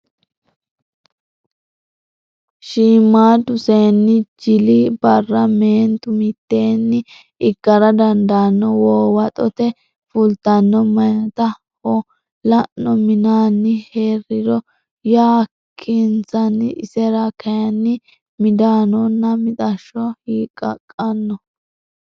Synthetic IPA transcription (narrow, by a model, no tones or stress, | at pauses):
ʃiːmːaːd̪ʊse̞ːnːɪd͡ʒɪlɪbɐɾːɐmeːnt̪ʊmɪt̪ːe̞ːnːɪ | ɪkːɐɾɐd̪ɐnd̪aːnːɔwoːwɐt̪ʼɔt̪ɛ | fʊlt̪ɐnːɔmɐjɐt̪ɐ | hɔ | lɐʔnːɔmɪnaːnːɪheːrɪdɔ | jaː | kʰːɪnt͡sɐnːɪɪsɛɾakʰɐjɐnːɪ | mɪd̪aːnɔnːɐmɪt̪ʼɐʃːɔhiːkʼɐ̰kʼːɐnːɔ